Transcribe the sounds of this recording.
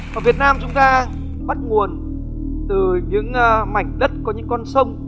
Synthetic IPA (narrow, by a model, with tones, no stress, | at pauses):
vaː˨˩vi˨˩ət̚naː˧mt͡ɕʊ˨˦ŋ͡mt̪aː˧ | ɓə˦˥t̚ŋu˨˩ən | t̪ɨ˨˩ɲɨ̰˧˥ŋ˧ma˨˩jŋ̟ɗə˦˥t̚kɔ˨˦ɲɨ̰˧˥ŋkːɔ˧nsə˧wŋ͡m